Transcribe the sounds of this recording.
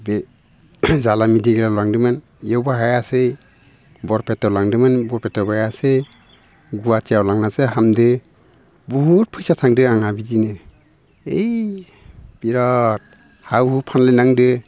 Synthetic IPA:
be | zalamidiɡelalaŋdɯmɯn | ijewbaɦajasej | bɔɾpʰetawlaŋdɯmɯnbɔɾpʰetɔwbajasej | ɡuatijawlaŋnasɯɦamdɯ | bɔɦut̚pʰɯjsatʰaŋdɯaŋabidinɯ | ej | b̥iɾat̚ | hawhupʰanlajnaŋdɯ

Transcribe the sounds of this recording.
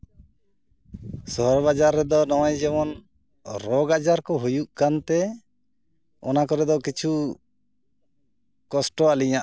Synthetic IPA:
sɔɦɔɾbad͡ʒaɾːɛd̪ɔnɔwɔjd͡ʒɛmɔn | ɾɔɡad͡ʒaɾkɔɦujuʔkant̪ɛ | ɔnakɔɾɛd̪ɔkit͡ʃʰu | kɔsʈɔaliɲaʔ

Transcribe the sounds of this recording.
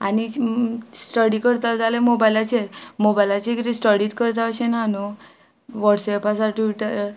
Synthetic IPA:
a̰ni | sʈəɽikəɾt̪ald͡zalemobajlat͡ɕeɾmobajlat͡ɕekit̪ẽsʈəɽit̪kəɾt̪aəɕenano | ʋɔʈsɛpasaʈiʈəɾ

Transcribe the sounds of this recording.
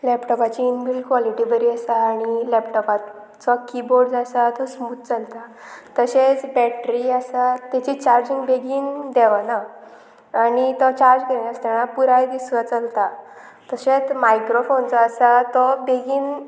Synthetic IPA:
lɛpʈɔpat͡ɕiːnbilkʋɔliʈibəɾiəsaːɽ̃ilɛpʈɔpa | t͡sɔkiboɾɖd͡zasat̪ɔsmuːt̪̚t͡səlt̪at̪əɕet͡sbɛʈɾiasat̪ːɛt͡ɕit͡ɕaɾd͡ʑĩŋɡbeɡiːnd̪ɛʋanaː | ɽit̪ɔt͡ɕaɾd͡ʑɡʱɛɳjast̪ɛɽ̃ãpuɾajd̪isʋət͡səlt̪a | t̪əɕet͡smajkɾofont͡sɔːsat̪ɔbeɡiːn

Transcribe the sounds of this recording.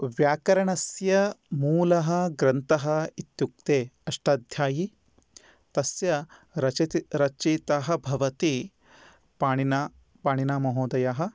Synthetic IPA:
ʋjaːkɐɾɐɳɐsjɐmuːlɐɦɐ̆ɡɾɐnt̪ɐɦɐit̪juk̚t̪eːɐʂʈaːd̪ʱjaːji | t̪ɐsjɐɾɐɾɐt͡ʃiːt̪aɦɐ̆bʱɐʋɐt̪i | paːɳina | paːɳinaːmɐɦoːd̪ɐjaɦɐ̆

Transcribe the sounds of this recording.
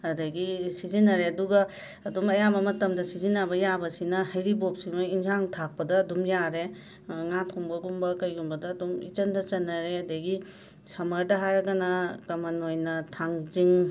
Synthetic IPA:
ɐdɐɡisizinɐɾeɐduɡɐː | dumɐjabɐmɐtɐmdɐsizinɐbɐjabɐsinɐhɐjɾibop̚siŋoinzaŋtʰak̚pɐdɐːdumjaɾe | ŋatʰuŋbɐɡumbɐkɐjɡumbɐdɐːdumḭt͡ʃɐndɐt͡ʃɐnːɐɾeɐdɐjɡi | sɐmɐɾdɐɦaɾɐɡɐnɐkɐmɐnojnɐtʰaŋziŋ

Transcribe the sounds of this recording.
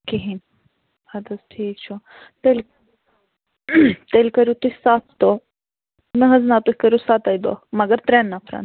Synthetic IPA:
kiɦin | ɐd̪ɐsʈʰiːk̚t͡ʃʰo | t̪el | t̪elʲkɐɾjut̪uhʲsat̪ʰt̪o | nəɦɐznat̪uhʲkɐɾjusat̪ajd̪o̰mɐɡəɾt̪ɾeːnːapʰɾɐ̰n

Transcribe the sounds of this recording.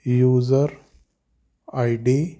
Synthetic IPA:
juːzəɾ | ajɖi

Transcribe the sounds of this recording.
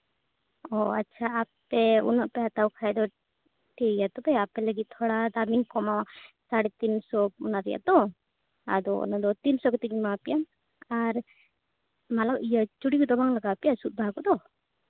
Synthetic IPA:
ɔa̰tːt͡ʃʰaːp̚t̪ɛɔ̰nɔʔpɛɦat̪awkʰajd̪ɔ | ʈejat̪ɔbajapɛləɡit̪̚ˀt̪ʰɔɽad̪amiŋkɔma | saɽɛt̪insɔɔnaɾɛja̰d̪ɔ | a̰d̪ɔɔ̰nad̪ɔt̪insɔkɔt̪ikɲimapijam | aɾ | malakʔijət͡ʃuɽikɔd̪ɔbaŋlaɡaːpijasut̪̚bʱakɔd̪ɔ

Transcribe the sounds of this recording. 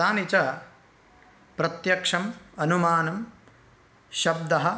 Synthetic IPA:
aːnit͡ʃɐ | pɾɐt̪jɐkʂɐmɐnumaːnɐm | ʃɐb̚d̪ɐɦɐ

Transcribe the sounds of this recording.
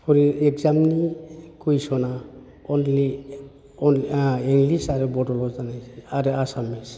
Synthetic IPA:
pʰɔɾiɛkzamnikujsɔna | ɔnli | ɔniŋɡlisaɾɛbɔdɔlɔzanajsiaɾeasamis

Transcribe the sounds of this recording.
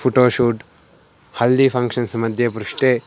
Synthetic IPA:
pʰuʈoːʃuːʈ | hɐlːipʰɐŋkʂɐnsmɐd̪ʱjɐpɾuʂʈe

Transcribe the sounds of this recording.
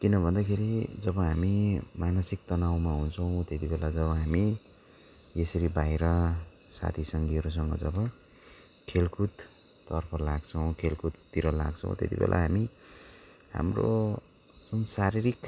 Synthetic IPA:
kinʌbʱʌnd̪akʰeɾid͡zʌbʌɦamimanʌsik̚t̪ʌnawmaɦunt͡sʰʌw̃t̪et̪ibelad͡zʌβʌɦami | esʌɾibajɾʌ | sa̰t̪ʰisʌŋɡiɦʌɾus̬ʌŋɡʌ̰d͡zʌbʌ | kʰelkʰut̪ː | ʌrpʰʌlaɡt͡sʰʌw̃kʰelkʰut̪t̪iɾʌla̰ɡt͡sʰʌ̰̃w̃t̪ḛt̪ḭbḛlʔa̰ɦami | ɦa̰mro̰ | d͡zunsaɾiɾik

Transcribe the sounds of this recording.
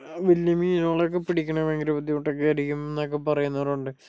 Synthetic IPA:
ʋiljɐmiinoːɭek̬ːepiɽikʲːɐɳɐʋeŋɡɾɐbɐt̪̬ːiuʈːokːeɐɾikʲːumenːok̬ːepɐrɐjunːɐʋɐɾuɳɖɨ

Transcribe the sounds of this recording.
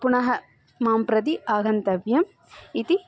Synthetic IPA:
puɳɐɦɐ | maːmpɾɐd̪iaːɡɐnt̪ɐʋjɐm | it̪i

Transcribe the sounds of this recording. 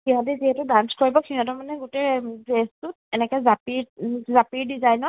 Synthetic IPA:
kiɦatɛziɦɛtʊdanskoɹibɔkʰiatɔmanɛɡutɛbestʊtɛnɛkɛzapiɹzapiɹdizajnɔ

